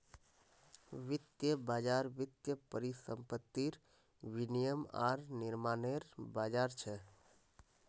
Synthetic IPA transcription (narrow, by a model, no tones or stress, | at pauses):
ʋit̪jəbad͡ʒaɾʋit̪jəpəɾisə̰mpət̪ːiɾ | ʋinijəma̰ɾniɾmaneɾbad͡ʒaɾt͡ʃʰɛ